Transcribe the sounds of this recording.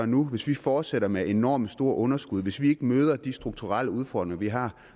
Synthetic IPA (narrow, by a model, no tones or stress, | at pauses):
nuʋe̝sʋifɒːd̥seɾɐmeʔe̝nɒ̰ːmsd̥o̝ɐ̰ʔɔ̽nɐsɡ̥uð̞ˠʋe̝sʋie̝ɡ̥əmøːð̞ˠɐd̥isd̥ʁuɡ̥̚t͡sʰuʁal̰əuð̞ˠfɒ̰ːd̥ʁeŋɐʋiɦɑ̈ː